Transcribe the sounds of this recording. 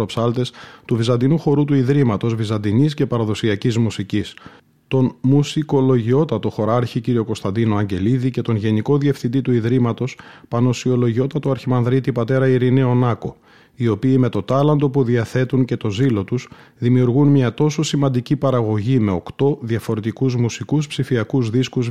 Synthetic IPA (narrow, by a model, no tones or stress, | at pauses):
opsɐlt̪e̞st̪uvizɐnd̪inuxo̞ɾut̪uiðɾimɐt̪o̞zvizɐnd̪inisce̞pɐɾɐðo̞siɐcizmusicis | t̪o̞nmusiko̞lo̞ʝio̞t̪ɐt̪o̞xo̞ɾɐɾçiciɾio̞ko̞st̪ɐnd̪ino̞ɐɲɟe̞liðice̞t̪o̞nʝe̞niko̞ðie̞fθind̪it̪uiðɾimɐt̪o̞spɐno̞sio̞lo̞ʝio̞t̪ɐt̪oɐɾçimɐnðɾit̪ipɐt̪e̞ɾɐiɾineo̞nɐko̞ | io̞piːme̞t̪o̞t̪ɐlɐnd̪o̞puðiɐθe̞t̪unce̞t̪o̞zilo̞t̪usðimiuɾɣunmɲɐt̪o̞so̞simɐnd̪icipɐɾɐɣo̞ʝime̞o̞kt̪o̞ðɐfoɾe̞t̪ikuzmusikuspsifiɐkuzðiskuz